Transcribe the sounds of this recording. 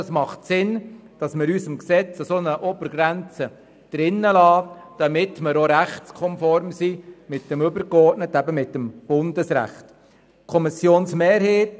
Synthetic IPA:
smɑχtsɪnd̥ɑsmɪɾysəmksɛt͡sɑsonəʔɔbəɾɡ̥ɾænt͡sə | d̥ɾɪnːəlɑːd̥ɑmɪtməɾoɾæχtskʰɔmfɔɾmsimɪt̚dəmɵbəɾkɔɾtnətːæbəmɪtːəmb̥ʊndəsɾæ̰χt | kʰɔmɪsjoːnsmeːɾheːt

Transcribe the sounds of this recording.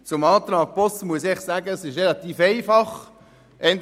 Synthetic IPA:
t͡sʊmɑːt̪rɑːɡ̥̚pɔstmuəs̬ɪχsaːɡəsɪʃʁelɑt̪iːfeɪfɑχ | ʔɛnd

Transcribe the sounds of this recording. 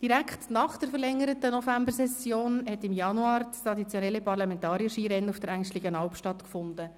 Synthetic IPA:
d̥iɾækχtnɑχd̥əɾfəɾlɛŋːəɾətənɔfæmbəɾsɛsjoːnhɛtɪmjɑnuɑːɾst̪ɾɑdit͡sjɔnɛlːipɑrlɑmɛntɑːɾijəʃiɾɛnufd̥əɾæŋʃtlɪɡənɑlpʃtɑtkfʊndə

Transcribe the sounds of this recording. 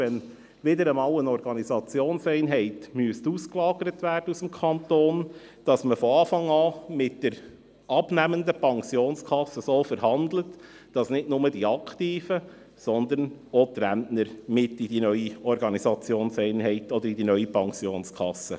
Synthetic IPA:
ɛn | ʋɪdəɾəmɑːlənɔɾɡ̥ɑnizɑt͡sjoːnsɛɪnɦɛɪtmyəstusklɑːɡəɾətʋæːrdəusəmkʰɑnt̪oːnd̥ɑsməfɔɑːfɑŋɑːmɪt̚d̥əɾ | ɑbnæməndəpɑŋsjoːnskʰχɑsəsoːfəɾhɑnd̪lət | d̥ɑsnɪdnʊmədiɑkχtiːfə | sɔnd̪ənot̪ɾænnəɾmɪtːidinœʏiɔɾɡɑnisɑt͡sjoːnsɛɪnɦɛɪtɔd̪əɾidinœʏipɑŋsjoːnskʰɑ̰sːə̰

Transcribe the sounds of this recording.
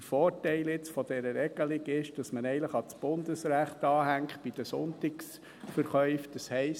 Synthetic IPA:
əfɔːɾtɛɪlɪt͡sfɔd̥ɛɾəɾɛɡ̥əlɪɡɪʃd̥ɑsmənɛɪnləχɑt͡sb̥ʊnd̥̪əsɾæχtɑːɦæŋktb̥id̥əsʊntɪks | fəɾχœʏfd̥ɑshɛɪs

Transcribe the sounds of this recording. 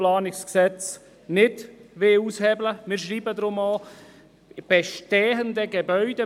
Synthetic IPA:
lɑːnɪksksɛt͡s | nɪdʋeushɛbləmɪːɾʃriːbədɾʊmo | b̥ɛʃtɛːɦəndəɡebœʏde

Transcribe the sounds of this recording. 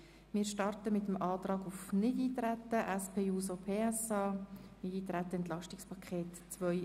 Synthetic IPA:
mɪːɾʃtɑrtəmɪtəmɑːt̪rɑːɡufnɪdiːt̪ɾæt̪əʔɛspʰeːuːsopʰeːɛsɑːnɪdiːt̪ɾætːəɛnt̪lɑʃtɪkspʰɑkʰeːtt͡sʋœʏ

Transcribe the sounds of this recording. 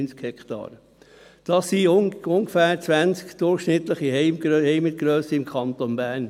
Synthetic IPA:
nt͡skhɛkt̪ɑ̰ːɾə | d̥ɑsiʊŋɡəfæːɾt͡sʋænt͡skd̥̪ʊɾχʃnɪt̪ləχihɛɪmɡɾøhɛɪmət̚ɡ̥ɾœːsəɪmkʰɑnt̪onbæːɾn

